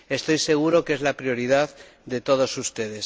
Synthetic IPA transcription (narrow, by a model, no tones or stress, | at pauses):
e̞st̪o̞jse̞ɣ̞uɾo̞ke̞zlapɾijo̞ɾiðað | d̪e̞t̪o̞ð̞o̞sust̪e̞ðe̞s